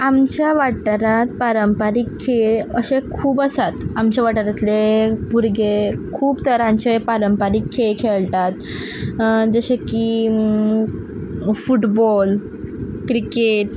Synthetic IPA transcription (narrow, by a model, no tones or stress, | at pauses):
amt͡ɕjaʋaʈʈ̪ɾat̪̚paɾəmpaɾiːkʰːeɭəɕekʰuːbəsat̪amt͡ɕjaʋaʈəɾat̪lepuɾɡekʰuːbt̪əɾamt͡ɕepaɾəmpaɾiːkʰːekʰeɭt̪at̪ | d͡zəɕeki | fuʈbɔl | kɾikeʈ̚